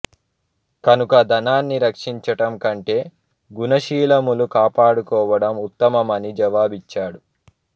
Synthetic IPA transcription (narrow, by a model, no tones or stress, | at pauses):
kɐnukɐd̪ɐnaːnːiɾɐkʂiɲt͡ʃɐʈɐmkɐɳʈe̞ː | ɡunɐʃiːlɐmulukaːpaːɽukɔːʋɐɽɐmut̪ːɐmɐmɐnid͡ʒɐʋaːbit͡ʃːaːɽu